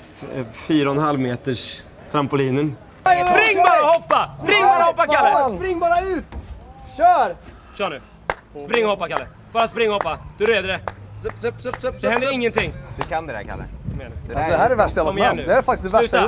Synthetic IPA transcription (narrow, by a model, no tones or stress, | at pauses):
fyːɾaɔnhalvmeːt̪əʂ | t̪ʰɾampʊliːnən | spɾɪŋːbɑːɾahɔpːaspɾɪŋːbɑːɾahɔpːakʰalːəpɾɪŋːbɑːɾaʉ̟ːt̪ʃœːɾ | ʃœːɳʉ | spɾɪŋːhɔpːakʰalːə | b̥ɑːɾaspɾɪŋːhɔpːad̪̥ɵɾeːd̪əɾɛ | ɛɛnd̪əɾɪŋːənt̪ʰɪŋːd̪ɛkʰand̪ɛɛ̰kʰa̰nə̰d̪ɛmeːnad̪ɛhæːɾɛvæʂʈɛlɔmjɛnːʉːd̪ɛæɾfakt̪ɪssæʉ̟ːa